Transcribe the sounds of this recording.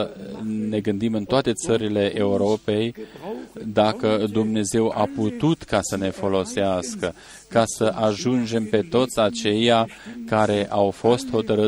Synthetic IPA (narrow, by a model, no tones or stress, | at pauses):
ne̞ɡɨnd̪imɨnt̪oat̪e̞t̪səɾile̞ʔeuɾo̞pe̞j | d̪akəd̪umne̞ze̞waput̪ut̪kasəne̞fo̞lo̞seaskə | kasəʔaʒund͡ʒe̞mpe̞t̪o̞t̪sʲat͡ʃe̞ja | kaɾe̞ʔawfo̞st̪ho̞t̪əɾɨ